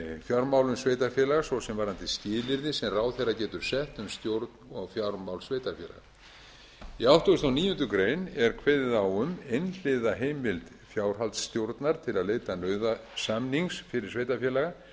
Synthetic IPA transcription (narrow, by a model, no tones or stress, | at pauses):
fjawɾmaːwlʏmsveːjt̪afjɛːlaɣasvɔsɛmvaɾant̪ɪsc̪ɪːlɪɾðɪsɛmraːwθejrːacɛːt̪ʏɾ̥sɛht̪ʏmst̪jowɾt̪nɔɣfjawɾmawlsveːjt̪afjɛ̰la̰ɣa | iawht̪ɔʏst̪awniːjʏnt̪ʏkɾeːjnɛɾ̥kʰvɛðɪðawʏmejnl̥ɪðaɦejmɪlt̪ | fjaːwɾ̥ɦalt̪st̪jowɾt̪naɾ̥t̪ʰɪlaðleːjt̪anœːɥðasamniŋsfɪɾɪɾ̥sveːjt̪afjɛːlaɣa